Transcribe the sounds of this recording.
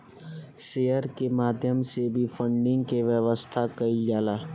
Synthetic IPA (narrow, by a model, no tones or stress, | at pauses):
ʃeːjəɾkemaːd̪ʱjəmsebʱifʰə̃ɳɖɪ̃ŋɡkeʋjəʋəst̪ʰakɐid͡ʒaːlaː